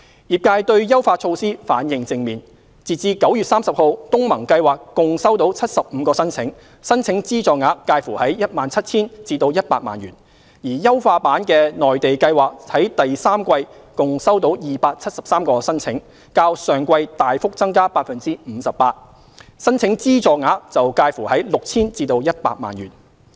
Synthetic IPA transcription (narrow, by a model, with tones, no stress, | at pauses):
jiː˨p̚kaː˧jt̪ɵ˧ɥjɐ˥wfaː˧t͡sʰo˧wsiː˥fa̰ː˨˥njɪ˨˧ŋt͡sɪ˧ŋmiː˨˩n | t͡siː˨t̚t͡siː˧kɐ˨˥wjyː˨t̚saː˥msɐ˨˩p̚ho˨wt̪ʊ˥ŋmɐ˨˩ŋkɐ˧jwaː˨˩kːʊ˨ŋsɐ˥wt̪o˨˥wt͡sʰɐ˥t̚sɐ˨p̚m̩ː˨˧˦kɔː˧sɐ˥nt͡sʰɪ˨˥ŋ | sɐ˥nt͡sʰɪ˨˥ŋt͡siː˥t͡ʃɔː˨ŋaː˨˥kːaː˧jfuː˨˩hɐ˨˥jjɐ˥t̚maː˨nt͡sʰɐ˥t̚t͡sʰiː˥nt͡siː˧t̪o˧wjɐ˥t̚paː˧t̚ma̰ː˨˩njyː˨˩n | jiː˨˩jɐ˥wfaː˧paː˨˥nkɛː˧nɔː˨˩jt̪e˨jkɐ˧jwaː˨˩k̚hɐ˨˥jt̪ɐ˨jsaː˥mkʷɐ˧j | kʊ˨ŋsɐ˥wt̪o˨˥wjiː˨paː˧k̚t͡sʰɐ˥t̚sɐ˨p̚saː˥mkɔː˧sɐ˥nt͡sʰɪ˨˥ŋ | kaː˧wsœː˨˩ŋkʷɐ˧jt̪aː˨jfʊ˥k̚t͡sɐ˥ŋkaː˥paː˧t̚fɐ˨nt͡siː˥m̩ː˨˧sɐ˨p̚paː˧t̚ | sɐ˥nt͡sʰɪ˨˥ŋt͡siː˥t͡sɔː˨k̚ŋaː˨˥k̚t͡sɐ˨wkaː˧jfuː˨˩hɐ˨˥jlʊ˨k̚t͡sʰiː˥nt͡siː˧t̪o˧wjɐ˥t̚pa̰ː˧k̚ma̰ː˨˩nɥy̰ː˨˩n